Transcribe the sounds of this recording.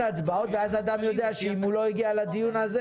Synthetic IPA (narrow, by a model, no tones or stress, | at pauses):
at͡sbaot̪veazad̪amjod̪eaʃeimuloiɡialad̪ijunaze